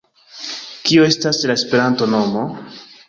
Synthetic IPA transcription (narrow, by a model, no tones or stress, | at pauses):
kioe̞staslaespe̞ɾanto̞no̞mo